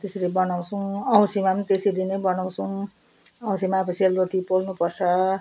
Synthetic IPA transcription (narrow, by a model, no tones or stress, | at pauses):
t̪eslebʌnaw̃t͡sʰũʌw̃simant̪esed̪inejbʌnaw̃t͡sʰuw̃ | ʌw̃simaːpʰesialroʈipolnupʌrt͡sʰʌ